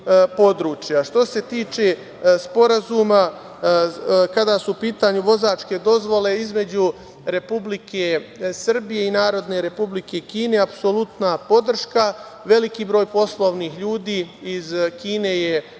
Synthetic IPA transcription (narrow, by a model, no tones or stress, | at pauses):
po̞d̪ɾuːt͡ʃjaʃt̪o̞se̞t̪iːt͡ʃe̞ | spo̞ɾazuːma | kad̪asuːpiːt̪aɲuʋo̞zat͡ʃke̞d̪o̞zʋo̞le̞izme̞d͡ʑu | ɾe̞publikʰesr̩bije̞inaːɾo̞d̪ne̞ɾe̞publike̞kiːneapso̞lut̪napo̞d̪r̩ʃka | ʋe̞likibɾo̞ːjpo̞slˠo̞ʋnixʎuːd̪iːizkiːne̞je̞